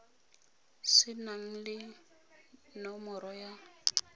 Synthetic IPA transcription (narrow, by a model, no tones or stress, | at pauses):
sɪnaŋ̩lɪ | nɔmɔɾɔja